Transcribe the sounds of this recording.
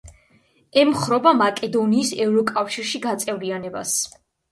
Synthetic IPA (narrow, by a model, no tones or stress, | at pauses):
ɛmχɾɔbamakʼɛd̪ɔniːsɛvɾɔkʼafʃiɾʃiɡat̪sʼɛvlianɛba̰s